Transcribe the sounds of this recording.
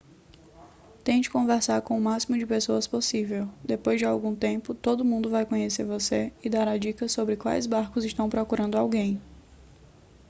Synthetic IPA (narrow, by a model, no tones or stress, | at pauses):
t̪ẽt͡ʃɪ̥kõvɛɾsaɾkõʊmasimʊd͡ʒɪpesoɐsposivewd̪epojzd͡ʒɪawɡũt̪ẽpʊt̪od̪ʊmũnd̪ʊvajkõɲeseɾvoseɪd̪aɾad͡ʒikɐsobɾɪkwa̰jzbaɾkʊzɪʃt̪ɐ̃w̃pɾɔkuɾɐ̃nd̪ʊawɡẽj̃